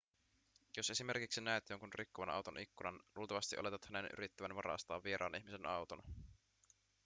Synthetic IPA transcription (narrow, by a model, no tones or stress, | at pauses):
jo̞se̞sime̞rkiksinæet̪joŋkunrikːoʋɑnʔɑ̰wt̪o̞nʔikːunɑnluːlt̪ɑʋɑst̪iʔo̰le̞t̪ɑt̪hæne̞nʔy̰ɾit̪ːæʋænʋɑɾɑ̰ːst̪ɑ̰ːʋːieɾʔɑ̰ːnʔiçmise̞nɑwt̪onɑ